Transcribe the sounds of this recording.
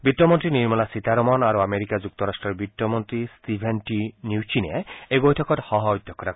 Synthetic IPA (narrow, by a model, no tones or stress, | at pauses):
bitːɔmɔnt̪ɾiniɾmɔlasit̪aɾɔmɔnaɾuameɾikad͡ʑuk̚t̪ɔɾasʈɾɔɾbitːɔmɔnt̪ɾist̪ibʱenʈinjuwt͡ʃina̰ejbojtʰɔkɔthɔɦɔojd̪ʱːɔkʰːɔta